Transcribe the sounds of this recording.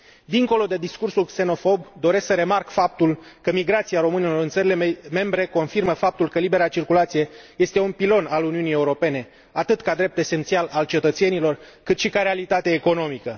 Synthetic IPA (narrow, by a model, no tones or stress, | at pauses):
d̪iŋko̞lo̞d̪e̞d̪iskursulkse̞no̞fo̞bd̪o̞ɾe̞sksəɾe̞markfap̚t̪ulkəmiɡɾat̪siaɾo̞mɨne̞lo̞ɾɨnt̪səɾileme̞mbɾe̞ko̞nfirməfap̚t̪ulkəlibe̞ɾat͡ʃirkulat̪sije̞je̞st̪e̞unpilo̞naluniunije̞uɾo̞pe̞ne̞ | at̪ɨt̪kad̪ɾe̞p̚t̪e̞se̞nt̪sialalt͡ʃe̞t̪ət̪se̞nilo̞r | kɨt̪ʃikaɾe̞alit̪at̪eaeko̞no̞mikə